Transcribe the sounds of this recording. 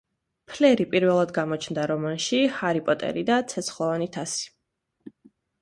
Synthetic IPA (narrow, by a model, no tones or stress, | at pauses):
pʰlɛɾipʼiɾvɛlˠad̪ɡamɔt͡ʃʰnd̪aɾɔmanʃihaɾipʼɔt̪ʼɛ̰ɾid̪at̪sʰɛt̪sχlˠɔvanit̪ʰasi̥